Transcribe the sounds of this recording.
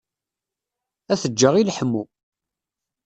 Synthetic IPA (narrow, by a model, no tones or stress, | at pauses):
æθəd͡ʒːəʁilħəmːu